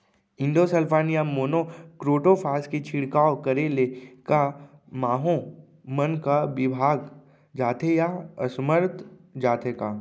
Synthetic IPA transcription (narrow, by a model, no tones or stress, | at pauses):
ɪ̃nɖ̪osəlpʰaːnijamoːnokɾoːʈopʰaːskit͡ʃʰɪɽkaːokəɾeːlekamaːɦõ | mənkaʋɪbʱaːɡ | d͡ʒaːt̪ʰejaə̰sməɾt̪d͡ʒaːt̪ʰekaː